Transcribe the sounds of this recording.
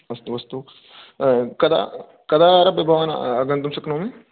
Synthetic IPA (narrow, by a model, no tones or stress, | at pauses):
ɐst̪uʋɐst̪u | kɐd̪a̰ | kɐd̪aːɾɐpɐbʱaʋan̰ɐɡɐnt̪umsɐknoːmi